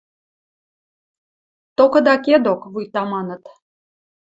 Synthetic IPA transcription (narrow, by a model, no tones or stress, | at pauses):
t̪okɤ̆d̪ɑked̪okβujt̪ɑmɑnə̆t̪